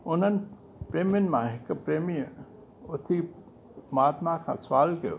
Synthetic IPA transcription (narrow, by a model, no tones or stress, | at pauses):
ʊnən | pɾeːmjənmãɦɪkpɾeːmi | ʊt̪ʰi | maːt̪mãkʰã̰sʋaːlkɐ̰